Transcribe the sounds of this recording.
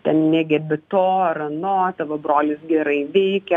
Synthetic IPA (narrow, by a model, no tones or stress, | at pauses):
t̪ʲɛnnʲɛːɡʲɛbʲɪt̪oːɾɐnoːt̪ɐʋɐbɾoːlʲɪsɡʲɛɾɐɪʋʲɛɪkʲɛ